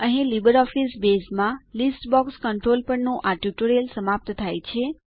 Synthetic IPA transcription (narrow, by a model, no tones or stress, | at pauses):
əɦĩlibəɾɔfisbesmãlisʈbɔkskəɳʈɾolpəɳnõʔaʈjuʈoɾijəlsəmap̚t̪t̪ʰajt͡ʃʰe